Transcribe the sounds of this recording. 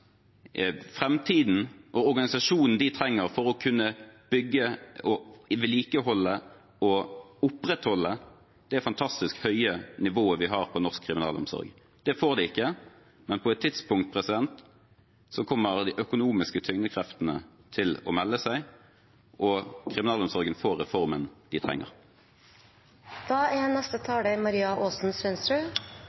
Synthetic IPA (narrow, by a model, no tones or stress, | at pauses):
fɾɛmt̪ʰiːd̪n̩ʔɔʁɔɾɡɑnɪsɑʂuːnn̩d̪ɪt̪ʰɾɛŋːəʁfɔɾɔkʰʉnːəb̥ʏɡːəɔʋɛliːkəɦɔlːə | ɔʊpɾɛt̪hɔlːə | d̪̥ɛfɑnt̪ʰɑst̪ɪskhœʏənɪʋoːəʋɪɦɑːʁpʰɔnɔʁskʰɾɪmɪnɑ̰ːlɔ̰msɔ̰ɾɡ | d̪̥ɛfoːʁd̪ɛɪkːə | mɛnpʰɔɛt̪ʰːɪt̪spʊŋkt̪̚pʰɾɛsɪd̪ɛnt̪ | sɔkʰɔmːəʁd̪ɪʔœkʊnuːmɪskət̪ʰʏŋnəkʰʁɛft̪ənə̰t̪ʰɪlɔ̰mɛlːəsæɪ | ʔɔkʰɾɪmɪnɑːlɔmsɔɾɡənfoːʁɛfɔʁmənd̪ɪt̪ʰʁɛ̰ŋːə̰ʁ | d̪̥ɑːɛːnɛst̪ət̪ʰɑːləmɑɾiːɑʔoːsn̩sʋɛnst̪ɾʉː